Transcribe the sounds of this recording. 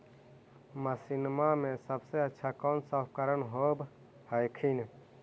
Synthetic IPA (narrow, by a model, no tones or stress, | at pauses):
məsinmamẽsəbseətːʃʰakɔːnsapkəɾənɦob | həjkʰin